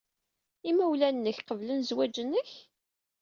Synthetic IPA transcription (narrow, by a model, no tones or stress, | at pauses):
imæwlænːəçqəvlənzwæd͡ʒənːəç